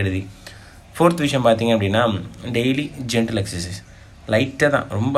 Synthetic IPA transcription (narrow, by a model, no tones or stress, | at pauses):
eɽuði | fʰoːɾt̪ʋiʂjɐmpaːɾt̪iŋɡãɐpɐɽinːaːmɖejlid͡ʑeɳʈɐleksɐsis | lɐɪtːɐðã̰ːɾombɐ